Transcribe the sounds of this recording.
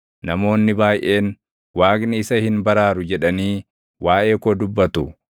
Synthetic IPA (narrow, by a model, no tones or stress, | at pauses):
nɐmo̞ːnːɪbaːjʔe̞ːn | waːknɪɪsɐhɪnbɐɾaːɾʊd͡ʒɛᶑɐniː | waːʔe̞ːkod̪ʊbːɐt̪ʊ